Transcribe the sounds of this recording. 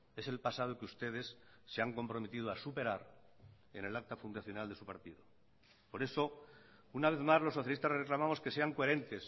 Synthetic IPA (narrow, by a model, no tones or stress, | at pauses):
e̞se̞lpasað̞okeust̪e̞ðe̞sːeaŋko̞mpɾo̞me̞t̪iðoasupe̞ɾaɾ | e̞̰ne̞lak̚t̪afund̪aθjo̞nald̪e̞supaɾt̪iðo | po̞ɾe̞so̞ | unaβ̞e̞θmazlo̞sːoθjalist̪azre̞klamamo̞ske̞se̞aŋkoe̞ɾe̞nt̪e̞s